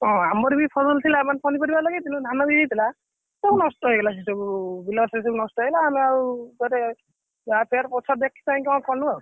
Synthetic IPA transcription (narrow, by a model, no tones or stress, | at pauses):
ɔ̃amɔɾibipʰɔzɔlt̪ʰilaemanpʰɔnipɔɾibalɔɡit̪inũd̪ʱanɔbid̪it̪ʰila | sebunɔstɔɦojɡelasisebubilɔss̬ebunɔstɔɦelaːmiaɾud̪ɔɾe | apʰeɾpɔt͡ʃʰɔɾd̪ekʰːi̥t̪aĩkaw̃kɔnuɔ